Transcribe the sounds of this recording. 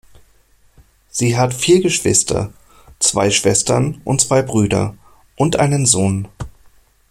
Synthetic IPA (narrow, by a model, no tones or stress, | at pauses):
z̥iːɦatfiːɐɡəʃv̥ɪ̰stʰɐ̰ | t͡sv̥a̰ɪʃv̥ɛstɐnʔʊntt͡sv̥aɪbʁyːdɐ̰ | ʔʊntʔa̰ɪnənzoːn